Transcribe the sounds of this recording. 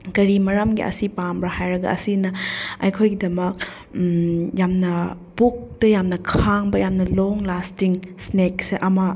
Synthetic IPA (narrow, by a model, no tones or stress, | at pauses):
kɐɾimɐɾamɡḭʔɐ̰sipambɾɐhajɾɐɡɐ̰ʔɐ̰sinɐɐjkʰojɡidɐmɐk̚ | jamnɐ | buk̚tɐjamnɐkʰaŋbɐjamnɐloŋlastiŋsnek̚seʔɐmɐ